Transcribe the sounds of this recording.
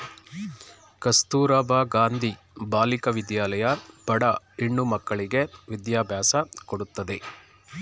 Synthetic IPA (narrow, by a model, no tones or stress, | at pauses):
kɐst̪uːɾaːbaːɡaːnd̪ʱi | baːlikɐʋid̪jaːlɐjɐpɐɽɐ | iɳːumɐkːɐɭiɡe̞ʋid̪jaːbʱjaːsɐkoɽut̪ːɐd̪e̞